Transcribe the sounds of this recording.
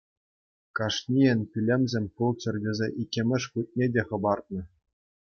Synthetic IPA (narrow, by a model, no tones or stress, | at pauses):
kɑʂnʲiĕnʲpʲilʲemʲzʲemʲpulˠt͡ɕɘ̆rʲdʲĕzʲeʔikʲːemʲɘ̆ʂkut̪̚ʲnʲedʲeχɤ̆bɑrt̪̚nɤ̆